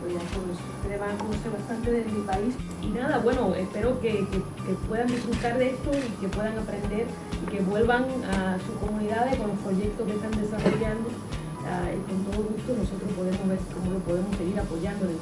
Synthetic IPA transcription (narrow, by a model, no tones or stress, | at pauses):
oasooset̪eðeβaŋoseβast̪ant̪eðed̪epais | inaðaβwe̞noespe̞ɾo̞keke | kepwe̞ðand̪isfɾut̪aɾðest̪oike̞pwe̞ðaŋapɾẽ̞nd̪e̞ɾ | ike̞βwe̞lβaŋasuhko̞mũniðaðeko̞nlo̞spɾo̞ʝe̞k̚t̪oske̞st̪and̪e̞saro̞ʝand̪o | aikont̪oðoɣust̪ono̞so̞t̪ɾopo̞ð̞emozβe̞ɾko̞molopo̞ðe̞mo̞seɣiɾapo̞ʝand̪ole